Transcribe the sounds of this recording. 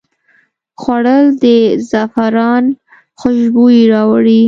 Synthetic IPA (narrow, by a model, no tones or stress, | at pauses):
xwaɽəld̪əzafaɾɑn | xʊʃbujiɾɑwaɽi